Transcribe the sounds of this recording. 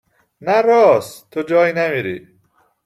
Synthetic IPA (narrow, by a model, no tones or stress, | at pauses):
næɾɔːst̪ʰod͡ʒɒːjnæmiɾḭ